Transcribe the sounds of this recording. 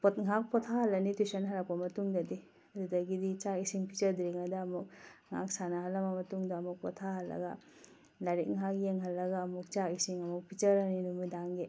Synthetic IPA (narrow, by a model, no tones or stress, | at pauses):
pot̚ŋak̚pɔtʰahɐlːɐnitusɐnɦɐɾak̚pɐmɐtuŋdɐdi | ɐdudɐɡidit͡ʃaisiŋpit͡ʃɐɾdɾiŋɐdɐːmuk̚ŋa̰k̚sanɐɦɐlːɐmɐmɐtuŋdɐːmuk̚pɔtʰaɦɐlːɐ̰ɡɐ | laɾik̚ŋakjeŋɦɐlːɐɡɐːmuk̚t͡ʃaisiŋɐmuk̚pʰit͡ʃɐɾɐninumudaŋɡe